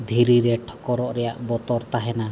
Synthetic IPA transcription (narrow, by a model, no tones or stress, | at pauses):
d̪ʱiɾiɾɛʈʰɔ̥kɔɾɔʔɾɛjaʔbɔt̪ɔɾt̪aɦɛna